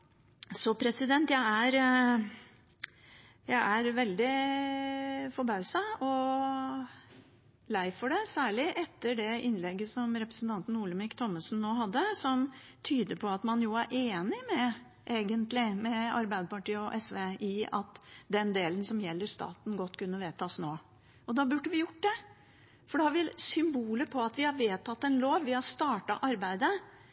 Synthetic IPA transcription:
sɔpʰɾɛsɪd̪ɛnt̪jæɪæɾ | jæɪʔæɾʋɛld̪ɪ | fɔɾbɑʉsɑɔ | læɪfɔɖɛsæːɭɪʔɛt̪ːəɖɛʔɪnlɛɡːəsɔmɾɛpɾəsn̩t̪ʰɑnt̪n̩uːləmɪkt̪ʰɔmːəsnnoːɦɑd̪ːəsɔmt̪ʰyːd̪əpʰɔɑt̪mɑnjʊæɾʔeːnɪmɛ | ʔeːɡənt̪lɪmɛɑ̰ɾbæɪd̪əpɑʈiːəɔʔɛsʋeːʔɪɑ̰t̪d̪ɛnd̪eːlənsɔmjɛlːəɾʂt̪ɑ̰ːt̪n̩ɡɔt̪ːkʉnːəʋeːt̪ʰɑːsnoː | ɔd̪ɑbʉɖːəʋɪjʊʈːd̪ɛ | fɔɖɛhɑɾʋɪlsʏmbuːləpʰɔɑt̪ʋɪhɑɾʋeːt̪ʰɑt̪ːɛnloːʋʋɪhɑst̪ɑːʈɑ̰ʔɑɾbæɪd̪ə

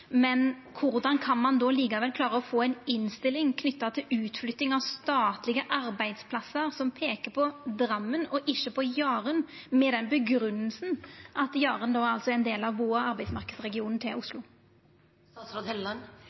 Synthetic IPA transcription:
mɛn | kʰʊɾd̪ɑnkʰɑnmɑnd̪ɔliːkɑʋɛlkʰlɑːɾəɔfoːæɪnɪnst̪ɪlːɪŋkʰnʏt̪ːɑt̪ʰɪlʉːt̪flʏt̪ːɪŋɑʋst̪ɑːt̪lɪɡəʔɑɾbæɪd̪spʰlɑsəɾsɔmpʰeːkəpʰɔd̪ɾɑmːənɔʔɪʃːəpʰɔjɑːɾənmɛd̪ɛnbəɡɾʉnːəlsn̩ʔɑt̪jɑːɾənd̪ɔːæɾɑlt̪sɔɛɪnd̪eːlɑʋːoːɾɑɾbæɪsmɑɾkəd̪sʁɛɡɪuːnn̩t̪ʰɪlʔʊslʊ | ɑsɔd̪ɛlːɑn

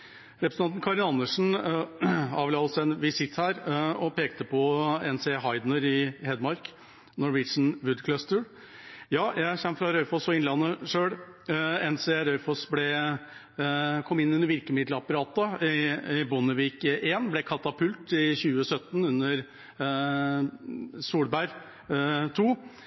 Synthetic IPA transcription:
ɾɛpɾə̥sɑnt̪n̩kʰɑɾɪnɑnːəʂn̩ | ɑːʋlɑːʋlsɛnʋɪsɪt̪hæːɾɔpeːkt̪əpʰɔɛnsɛɦɑɪd̪nəɾɪhɛd̪mɑɾk | nɔɾʋɪt͡ʃn̩ʋʉd̪kʰlœst̪ə | jɑːjæɪçɛmːfɾɑɾœʏfɔsɔɪnlɑnːəʂøːɽ | ɛnsɛɾœʏfɔsblɛ | kʰɔmːɪnːʉnːəɾʋɪɾkəmɪd̪ləɑpɑɾɑːt̪əɪɪbʊnəʋiːkʔeːnblɛkʰɑt̪ɑpʰʉlt̪ɪçʉːəsœt̪ːn̩ʉnːəɾ | suːɽbæɾ | t̪ʰuː

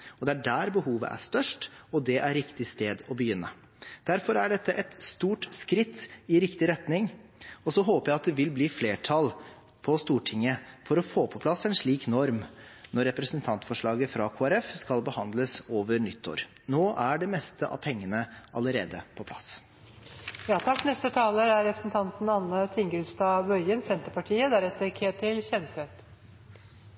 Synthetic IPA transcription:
ɔd̪ɛæɖæːɾbəɦuːʋə̰ʔæ̰ʂt̪œʂʈɔd̪ɛʔæɾɾɪkt̪ɪst̪eːd̪ɔbəjʏnːə | d̪̥æɾfɔɾæɖɛt̪ːəʔɛt̪st̪uːʈskɾɪt̪ːɪɾɪkt̪ɪɾɛt̪nɪŋɔsɔɦoːpəjæɪɑt̪d̪ɛʋɪlbliːfleːʈʰɑl | pʰɔst̪uːʈʰɪŋːəfɔɾɔfoːpʰɔpʰlɑsːɛnʂɭiːknɔɾmnɔɾːɛpɾəsənt̪ʰɑnt̪fɔʂɭɑːɡəfɾɑkʰoːæɾɛfskɑlbəhɑnd̪ləsoːʋəɾnʏt̪ʰːo̰ːɾ | noːʔæɖɛmɛst̪ʰəʔɑ̰ʋpʰɛŋːənəʔɑ̰ləɾeːd̪əpʰɔpʰlɑs | jɑːt̪ʰɑkːnɛst̪ət̪ʰɑːləɾæɾɾɛpɾəsn̩t̪ʰɑnt̪n̩ɑnːət̪ʰɪŋɡəlst̪ɑːbœʏənsɛnt̪əpɑʈʰiːəd̪æɾɛt̪ːəɾkʰeːt̪ʰɪlçɛnset̪

